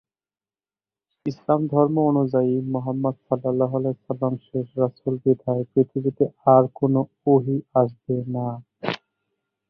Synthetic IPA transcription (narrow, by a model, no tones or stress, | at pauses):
islamd̪ʱɔɾmoonud͡ʑaimoɦamːad̪sʌlːalːaɦalɛsɐlːamʃeʃɾasulbid̪ʱaepɾit̪ʰibit̪eaɾkono | oɦiaʃ̬bena